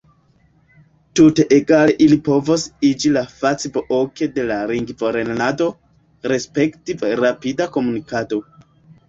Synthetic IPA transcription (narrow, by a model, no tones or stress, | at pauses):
tute̞ʔeɡaleʔilipo̞vosid͡ʒilafat͡siboʔoke̞de̞laɾiŋɡvoɾe̞nnado̞ | ɾe̞spe̞ktivɾapidako̞munikato̞